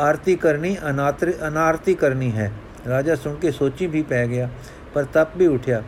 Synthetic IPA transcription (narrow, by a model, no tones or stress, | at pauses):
aːɾt̪ikəɾniənaːt̪ɾənaːɾt̪ikəɾniɦɛː | ɾaːd͡ʒaːsʊ̃ŋkesoːt͡ʃĩbʱipɛːɡɪjaː | pəɾt̪ɐb̚bʱiʊʈʰjaː